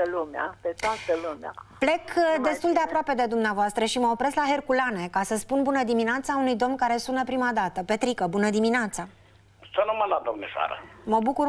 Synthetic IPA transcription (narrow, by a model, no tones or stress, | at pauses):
əlumea̰pet̪oat̪əluma̰ple̞kd̪e̞st̪uld̪e̞apɾoape̞d̪e̞d̪umneavoast̪ɾəʃiməopɾe̞zlaɦe̞rkulane̞kasəspunbunəd̪imineat̪saunujd̪o̞mnkaɾe̞sunəpɾimad̪at̪əpe̞t̪ɾikəbunəd̪imineat̪sa | sanomanlad̪omneʃa̰ɾə̰məbukur